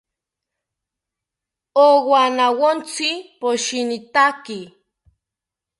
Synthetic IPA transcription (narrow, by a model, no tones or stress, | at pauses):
owanawont͡sipoʃinit̪aki